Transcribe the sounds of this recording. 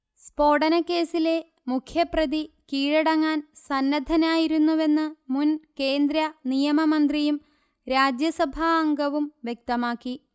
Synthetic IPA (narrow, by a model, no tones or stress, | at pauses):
spo̞ːɽɐnɐkːe̞ːsile̞ | mukʰjɐprɐd̪ikiːɻɐɽɐŋːaːnsɐnːɐd̪ʱɐnaːjiɾunːuʋe̞nːɨmunke̞ːnd̪ɾɐnijɐmɐmɐnd̪rijum | ɾaːd͡ʑjɐsɐbʱɐːŋɡɐʋumʋjek̚t̪ɐmaːkːi